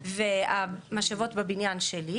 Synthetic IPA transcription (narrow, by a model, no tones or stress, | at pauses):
veamaʃavo̞tbebinjanʃeli